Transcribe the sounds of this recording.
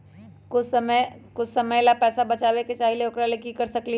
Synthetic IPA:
kʊsəməkʊt͡ʃʰsɐməjlapɛːsabɐt͡ʃaːʋeket͡ʃaːɦileoːkɾalekikɐɾsɐkli

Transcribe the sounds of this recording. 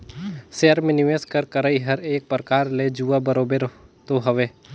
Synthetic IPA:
seəɾmẽnɪʋeːskəɾkəɾaiɦɐɾeːk̚pɾəkaːɾled͡ʒuːabɐɾoːbeɾt̪oɦɐʋeː

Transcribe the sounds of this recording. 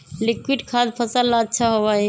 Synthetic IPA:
likwiɖkʰad̪̚pʰəsəlːaːtːʃʰaɦoba

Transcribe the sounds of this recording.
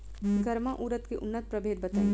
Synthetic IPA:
ɡɐɾmaʔuːɾət̪keʔʊnːət̪̚pɾɐbʱeːd̪̚bɐt̪aːi

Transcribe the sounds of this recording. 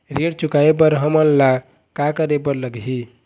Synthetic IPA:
ɾeɽt͡ʃukaep̬əɾɦəmənla | kakəɾepəɾləɡɦi

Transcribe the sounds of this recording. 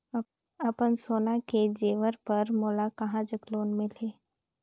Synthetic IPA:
ɐpənsoːnaked͡ʒeːʋəɾpɐɾmoːlakɐɦãd͡ʒəkloːnmɪleː

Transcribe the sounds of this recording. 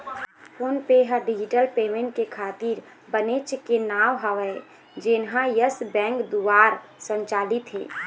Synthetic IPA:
pʰoːnpeɦəɖid͡ʒɪʈəlpeːmẽɳʈ̚kekʰaːt̪iɾ | bənet͡ʃkenaːwɦəʋɛ | d͡ʒɪnɦãjəsbɛ̃ːŋkd̪uʋaːɾsə̃ɲt͡ʃaːlit̪ɦḛː

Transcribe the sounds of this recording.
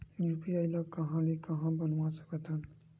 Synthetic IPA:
jupiajlɔkːʌɦãlekʌɦãbʌnuwasʌ̥ket̪ʰʌn

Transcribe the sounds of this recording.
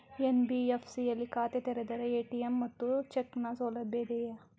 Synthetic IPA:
jenbiefʰsiɐlikaːt̪et̪eːɾed̪ɐɾeeːʈiemːɐt̪ːut͡ʃeknasoːlɐbed̪eja

